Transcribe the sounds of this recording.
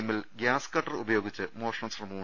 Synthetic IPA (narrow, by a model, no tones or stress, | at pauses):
mːilɡjaːskɐʈːɐrṵbɐjo̞ːɡit͡ɕːɨmoːʂɐnɐmsrɐmuː